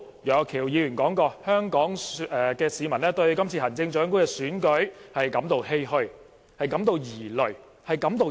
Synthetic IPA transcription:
jœː˨˧kʰiː˨˩wjiː˨˧jyː˨˩nkɔː˨˥ŋkɔː˧hœː˥ŋkɔː˨˥ŋ˨ɛ˨kɛː˧siː˨˧mɐ˨˩nlɛː˥t̪ɵ˧ɥkɐ˥mt͡sʰiː˧hɐ˨˩nt͡sɪ˧ŋt͡ʃœː˨˥ŋkuː˥kɛː˧syː˨˥nkɵ˨˥ɥhɐ˨jkɐ˨˥mt̪o˨˧whe˥jhɵ˧ɥ | hɐ˨jkɐ˨˥mt̪o˧wjiː˨˩lɵ˨˩ɥ | hɐ˨jkɐ˨˥mt̪o˨˧w

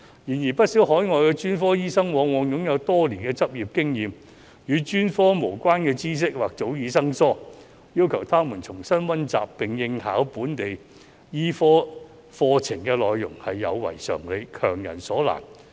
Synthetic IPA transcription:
jiː˨˩njiː˨˩pɐ˥t̚siː˨˥wɦɔː˨˥jŋɔː˨˧jkɛ˧t͡ʃyː˥nfɔː˥jiː˥sɐ˥ŋwɔː˨˧ŋwɔː˨˧ŋjʊ˨˥ŋjɐ˨˧wt̪ɔː˥liː˨˩nkɛː˧t͡sɐ˥p̚jiː˨p̚kɪ˥ŋjiː˨˧m | jyː˨˧t͡ʃyː˥nfɔː˥mo˨˩wkʷwaː˥nkɛː˧t͡siː˥s̬ɪ˥k̚waː˨k̚t͡so˨˥wjiː˨˧sɐ˥ŋsɔː˥ | jiː˥wkʰɐ˨˩wt̪ʰaː˥muː˨˩nt͡sʰʊ˨˩ŋsɐ˥nwɐ˥nt͡sa̰ː˨pːɪ˨ŋjɪ˧ŋha̰ː˨˥wpuː˨˥nt̪e˨j | jiː˥fɔː˥ | fɔː˧t͡sʰɪ˨˩ŋkɛː˧lɔː˨jːʊ̰˨˩ŋhɐ˨jːɐ̰˨˧wwɐ̰˨˩jsœ̰ː˨˩ŋle˨˧jkʰœ̰ː˨˩ŋjɐ̰˨˩nsɔː˨˥la̰ː˨˩n

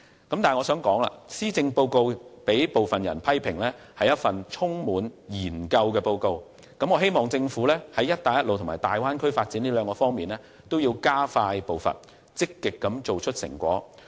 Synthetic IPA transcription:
kɐ˦mt̪aː˨˩ŋɔː˨˧sœː˨˥ŋkɔː˨˥ŋla̰ː˧siː˥t͡sɪ˧ŋpo˧wko˧wpe˨˥jpo˨˩wfɐ˨njɐ̰˨˩npʰɐ˥jpʰɪ˨˩ŋlɛː˥ | hɐ˨jɐ˥t̚fɐ˨nt͡ʃʰʊ˥ŋmuː˨˥njiː˨˩nkɐ˧wkɛː˧po˧wko˧w | kɐ˨˥mŋɔː˨˧ɦe˥jmɔː˨˩ŋt͡sɪ˧ŋfuː˨˥lɛː˥hɐ˨˥jːɐ˥t̚t̪aː˨jɐ˥lo˨wt̪ʰmaː˨˩jt̪aː˨˩jwaː˥nkʰɵ˥ɥfaː˧t̚t͡si˨˥nliː˥lœː˨˧ŋkɔː˧fɔː˥ŋmiː˨nlɛː˥ | t̪o˥wjiː˧wkaː˥faː˧jpo˨wfɐ̰˨n | t͡sɪ˥kːɪ˨kːɐ˨˧˥mt͡so˨wt͡ʃʰɵ˥t̚sɪ̰˨˩ŋkʷɔ̰ː˨˥

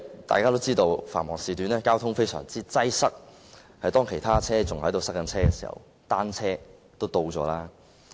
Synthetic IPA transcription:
t̪a̰ː˨jkaː˥t̪o˥wt͡siː˥t̪o˧wfa̰ː˨˩nmɔː˨˩ŋsiː˨t̪yː˨˥nɛː˥kaː˥wt̪ʰʊ˥ŋfe˥jsœ̰ː˨˩ŋt͡siː˥t͡sɐ˥jsɐ˥k̚ | hɐ˨jt̪ɔː˥ŋkʰe˨˩jt̪ʰaː˥t͡sʰɛː˥t͡sʊ˨ŋhɐ˨˥jt̪o˨˧wsɐ˥k̚kɐ˧˥nt͡sʰɛː˥kɛ˧si̥̰ː˨˩hɐ̰˨˩w | t̪aː˥nt͡sʰɛː˥ | t̪o˥wt̪o˧wt͡ʃɔ̰ː˨˥laː˥

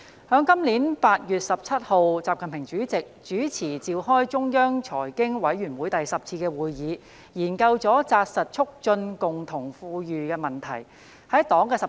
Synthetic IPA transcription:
hœː˨˥ŋkɐ˥mliː˨˥npaː˧t̚jyː˨t̚sɐ˨p̚t͡sʰɐ˥t̚ho˨wt͡saː˨p̚kʰɐ˨npʰɪ˨˩ŋt͡ʃyː˨˥t͡sɪ˨k̚t͡ʃyː˨˥t͡sʰiː˨˩t͡siː˨˧whɔː˥jt͡ʃʊ˥ŋjœː˥ŋt͡ʃʰɔː˨˩jkɪ˥ŋwɐ˨˥jɥyː˨˩nwuː˨˥jt̪ɐ˨jsɐ˨p̚t͡sʰiː˧kɛː˧wuː˨jjiː˨˧ | jiː˨˩nkɐ˧wt͡sɔː˨˥t͡saː˧t̚sɐ˨t̚t͡ʃʰʊ˥k̚t͡ʃɵ˧nkʊ˨ŋt̪ʰʊ˨˩ŋfuː˧jyː˨kɛː˧mɐ˨nt̪ʰɐ̰˨˩j | hɐ˨˥jt̪ɔː˨˥ŋkɛː˧˨

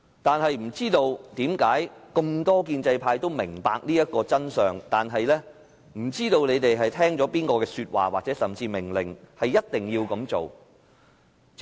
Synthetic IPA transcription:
t̪aː˨nɦɐ˨jm̩˨˩t͡siː˥t̪o˧wt̪iː˨˥mkaː˨˥jkɵ˧mt̪ɔː˥k̬iː˧nt͡sɐ˧jpʰaː˧jt̪o˥wmɪ˨˩ŋpaː˧k̚niː˥jɐ˥t̚kːɔː˧t͡sɐ˥nsœː˨˩ŋt̪aː˨nɦɐ˨jlɛː˥ | m̩˨˩t͡siː˥t̪o˧wne˨˧jt̪e˨jɦɐ˨jt̪ʰɛː˥ŋt͡sɔː˨˥piː˥nkɔː˧kɛː˧syː˧t̚wa̰ː˨˩waː˨k̚t͡sɛː˨˥sɐ˨mt͡siː˧mɪ˨˩ŋlɪ˨˩ŋhɐ˨jːɐ˥t̚t̪ɪ˨ŋjiː˧wkɐ˨˥mt͡so˨w

